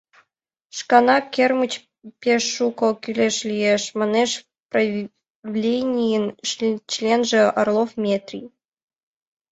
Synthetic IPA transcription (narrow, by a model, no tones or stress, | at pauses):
ʂkɑnɑkʲermɨt͡ɕ | pʲeʃːukɤ̆kʲylʲeʂlʲijeʃmɑneʃ | prɐ | vlʲenʲijɘnt͡ɕlʲenʐĕɐrlˠofmʲet̪rʲḭj